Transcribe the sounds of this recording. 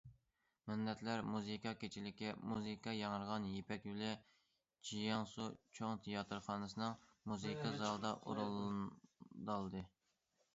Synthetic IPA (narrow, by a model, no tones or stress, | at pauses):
mɪnːɛt̪læɾmuzɨkɑkʲet͡ʃʰilɪkʲimuzɨkʰɑjɑŋəɾʁɑnjepɛkʲylɛ | t͡ʃʰijɑŋsut͡ʃʰoŋt̪ʰijɑt̪ʰɨɾχɑːnɨsɨnɨŋmuzɨkʰɑzɑlˠd̪ɑʔṵɾulˠ | d̪ɑlˠd̪ɨ